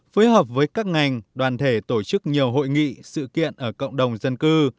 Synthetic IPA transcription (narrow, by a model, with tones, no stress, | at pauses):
fi˨˦jɦəː˨˩p̚vəː˨˦jkaː˦˥k̚ŋa˨˩jŋ̟ɗwaː˨˩nt̪ʰe˧˩t̪o˧˩t͡ɕɨ˦˥k̚ɲi˨˩əwɦo̰˧˨jŋḭ˧˨sɨ̰˧˨kḭ˧˨ənʔəː˧˩kə̰˧˨wŋ͡mɗə˨˩wŋ͡mzə˧nkɨ˧